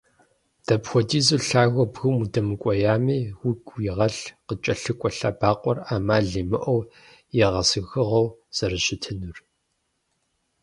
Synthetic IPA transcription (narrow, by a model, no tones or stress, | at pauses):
d̥ɐpxʷɔdiːzuɬaːɣʷɔbɣɨwmudɐmɨkʷʼɔjaːmiːwʊɡʼjɪʁɐɬqət͡ʃʼɐɬɨkʷʼɔɬaːbaːqʷʼɔraːmaːɮiːmɨʔɔw | jɛʁɐsɨɣɨʁɐwz̥ɐrɨɕɪtʰɨnur